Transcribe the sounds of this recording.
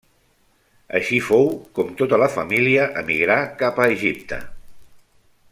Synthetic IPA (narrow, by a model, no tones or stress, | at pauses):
ə̰ʃifowkɔmt̪ot̪ələfəmiliəʔəmiɣɾakapəːʒip̚t̪ə̰